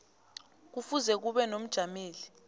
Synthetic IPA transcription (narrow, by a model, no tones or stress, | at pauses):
k̬ufuzɛk̬uɓɛnom̩d̥ʒ̥ʱameːli